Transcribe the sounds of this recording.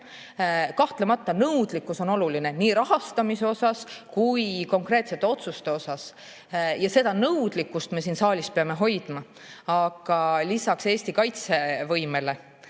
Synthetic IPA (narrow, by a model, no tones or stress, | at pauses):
kɑht̪lemɑt̪ːɑnɤwd̪̥likːˑuso̞no̞luline̞niːɾɑɦɑst̪ɑmise̞o̞sɑskujko̞ŋkre̞t̪se̞t̪ːe̞o̞t̪sust̪e̞o̞sɑs | jɑse̞d̪̥ɑnɤwd̪̥likːust̪me̞s̬iːnsɑːlʲispe̞ɑme̞ɦo̞jd̪̥mɑ | ɑɡ̥ɑlisɑkse̞ːst̪ikɑjt̪se̞vɤjme̞le̞